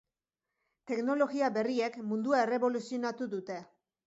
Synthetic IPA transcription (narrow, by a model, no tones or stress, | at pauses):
t̪e̞kno̞lo̞ɣiaβe̞rie̞kmund̪uae̞re̞βo̞lusio̞nat̪uðut̪e̞